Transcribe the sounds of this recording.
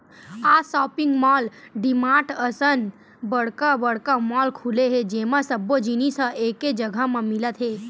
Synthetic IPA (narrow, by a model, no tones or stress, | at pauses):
asɔːpĩŋɡmɔlɖimãʈəsən | bəɽkabəɽkamɔːlkʰuleɦed͡ʒemãsəbːod͡ʒinisə̃ʔeked͡ʒəɡʱəmãmilət̪ɦeː